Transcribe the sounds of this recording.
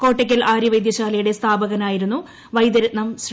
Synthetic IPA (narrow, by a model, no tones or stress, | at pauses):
ko̞ːʈːekʲːɐlʔaːɾiʋɐjd̪jɐɕaːlɐjuɽe̞st̪ʰaːbɐɣɐnaːjiɾunːu | ʋɐjd̪ɐɾɐt̪nɐms